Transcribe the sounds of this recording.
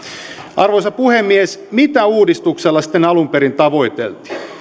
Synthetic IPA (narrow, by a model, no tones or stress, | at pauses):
ʔɑrʋojsɑpuhemːiesmit̪æuːdist̪ukselːɑsi̥t̪ːˑenɑlumpeɾint̪ɑʋo̞jt̪ḛlt̪i̥